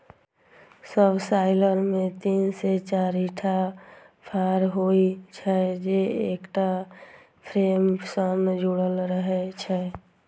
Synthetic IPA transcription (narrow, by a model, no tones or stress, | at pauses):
səbsaɪləɾmet̪inset͡ʃaɾiʈʰa | pʰaɾɦoit͡ʃʰɛd͡ʒeḛkʈa | pʰɾemsənd͡ʒuɽəlɾəɦɛt͡ʃʰɛ